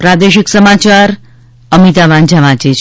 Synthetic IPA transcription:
pɾad̪eʃiksəmat͡ʃaɾ | əmit̪aʋand͡ʒaʋãt͡ʃet͡ʃʰ

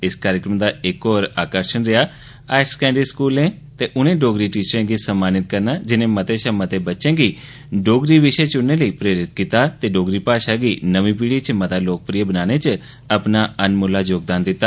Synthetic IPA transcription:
ɪskaːɾjəkɾəmd̪aːɪkoːɾaːkəɾʃənɾɪjaː | aːɪʈskɛ̃ːɳɖiskuːlẽː | t̪eːʔʊnẽːɖoːɡɾiːʈiːt͡ʃəɾẽːɡiːsəmːaːnɪt̪̚kəɾnaːd͡ʒɪnẽːmət̪eːʃamət̪eːbətːʃẽːɡiː | ɖoːɡɾiːʋɪʃet͡ʃʊnːẽːləiːpɾeːɾɪt̪kit̪aːt̪eːɖoːɡɾiːpaːʃaːɡiːnəʋĩːp̬iːɽiːt͡ʃmət̪aːloːk̚pɾijəbənaːñet͡ʃ | əpnaːənmʊlaːd͡ʒoːɡ̚d̪aːnd̪ɪt̪ːaː

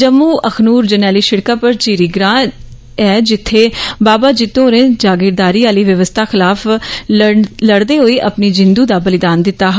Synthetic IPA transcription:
d͡ʒəmːuːʔəkʰnuːɾd͡ʒənɛːliːʃɪɽkaːpəɾt͡ʃiːɾiːɡɾãː | ɛːd͡ʒɪt̪ʰːeːbaːbaːd͡ʒɪt̪õːɾẽːd͡ʒaːɡɪɾd̪aːɾiːaːliːʋəʋəst̪ʰaːxɪlaːf | ləɽd̪eːɦoːiːʔəpniːd͡ʒɪnd̪uːd̪aːbəlɪd̪aːnd̪ɪt̪ːaːɦ

